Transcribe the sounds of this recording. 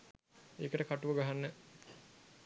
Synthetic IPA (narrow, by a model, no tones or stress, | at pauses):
eːkəʈəkaʈuʋəɡaɦanːə